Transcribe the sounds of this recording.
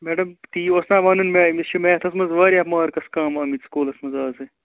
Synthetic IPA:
meːɖɐmt̪iːoːsnaːʋaːnunmeːimist͡ʃimeːt̪ʰɐsmɐzʋaːɾʲiɐːpmaːɾkɐskaːmɐmit̪skuːlɐsmɐzaːze

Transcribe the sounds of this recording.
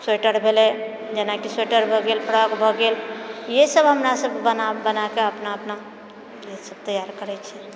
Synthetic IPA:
seʈəɾbʱele | d͡ʒənaʈiseʈəɾbʱɔɡelpʰəɾəkbʱɔɡeljesəbɦəmɾasəbənabənakeəpnaəpna | jesəb̚t̪əjaɾkəɾɛt͡ʃʰɛ

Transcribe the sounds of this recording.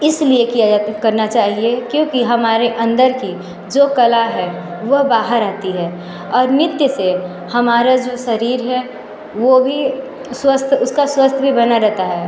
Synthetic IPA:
ɪsliekijakɐɾnat͡ʃaːɦiekjõːkiɦɐmaːɾeʔɐ̃nd̪əɾki | d͡ʒoːkɐlaɦɛ | ʋɐɦbaːɦəɾat̪iɦɛː | ɔːɾnɪt̪jəse | hɐmaːɾad͡ʒoːʃɐɾiːɾɦɛ | ʋobʱi | swəst̪ʰʊskaswəst̪ʰbʱibɐnaɾɛɦt̪aɦɛː

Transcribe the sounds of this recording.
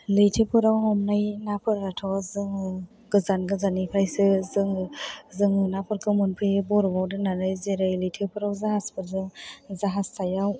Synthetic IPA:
lɯjtʰepʰɯɾawɦɔmnajnapʰɯɾatʰɔzɯŋɯ | ɡɯzanɡɯzanipʰɾajsɯzɯŋɯzɯŋɯnapʰɯɾkʰɯmɯnpʰɯjbɔɾbawdɯnanɯjzeɾɯjlɯjtʰepʰɯɾawzaɦaspʰɯɾzɯŋzaɦastajaw

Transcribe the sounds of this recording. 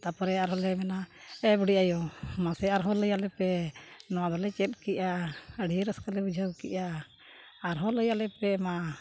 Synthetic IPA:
t̪apɔɾɛaɾɦɔlɛmɛnaɛbuɽiʔajɔmasɛaɾɦɔ̃ləjalɛpɛnɔwad̪ɔlɛt͡ʃɛt̪̚ˀkiʔaəɖieɾəskalɛbud͡ʒʱəwkiʔaː | ɾɦɔ̃ləjalɛpɛma

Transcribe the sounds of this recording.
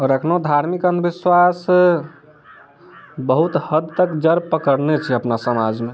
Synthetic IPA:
ɔːɾəkʰnod̪ʱaɾmikənd̪biswas | bəɦut̪həd̪t̪əkd͡ʒəɾpəkəɾnet͡ʃʰɛəpnasəmad͡ʒme

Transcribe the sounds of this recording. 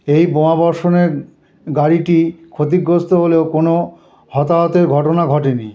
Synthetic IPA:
ejbomabɔɾʃoneɾ | ɡaɾiʈikʰot̪̬iɡɾost̪oɦoleokono | hɔt̪aɔt̪eɾɡʱɔʈonaɡʱɔʈeni

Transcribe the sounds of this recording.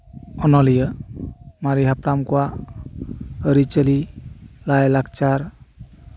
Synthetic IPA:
ɔnɔlijə | maɾiɦapɾamkuwa | əɾit͡ʃəlilajlakt͡ʃaɾ

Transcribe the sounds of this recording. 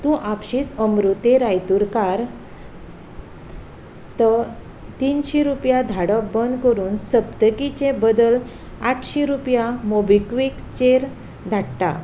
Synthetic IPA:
t̪ũʔapɕiːsəmɾut̪eɾajt̪uɾkaɾ | t̪ə | t̪inɕiɾupjad̪ʱaɽəbənd̪kəɾuːnsəpt̪əkit͡ɕẽbəd̪əl | aʈʰɕiɾupjamobikʋikt͡ɕeɾ | d̪ʱaʈʈa̰

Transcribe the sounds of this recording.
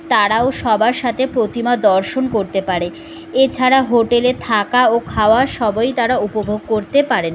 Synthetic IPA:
t̪aɾaoʃɔbaɾʃat̪ʰepɾot̪imad̪ɔɾʃonkoɾt̪epaɾe | et͡ɕʰaɾaɦoʈelet̪ʰakaokʰaoaʃɔbɔjt̪aɾaupobʱoɡ̚koɾt̪epaɾen

